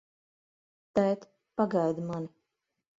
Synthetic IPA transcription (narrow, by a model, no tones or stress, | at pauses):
t̪ɛjt̪ | paɡajd̪mani